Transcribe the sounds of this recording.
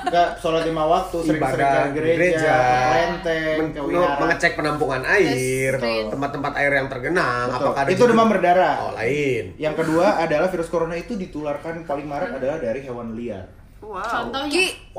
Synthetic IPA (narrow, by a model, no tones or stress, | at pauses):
ɡasolɔt̪imawak̚t̪usəɾɪŋkəsədianɡəɾeɾed͡ʒad͡ʒalɛnt̪ɛmkəwiaɾaməŋət͡ʃɛk̚pənampuŋanaɪrt̪əmpat̪ːəmpat̪aɪrjaŋt̪ərɡənaŋbat̪ʊalkadaiudəmamərdaɾaɔ̰la̰ɪnjaŋkəduaːdalahfiɾʊskoɾonait̪udit̪ularkanpalɪŋmaɾat̪adalahdaɾiɦewanlia̰t̪̚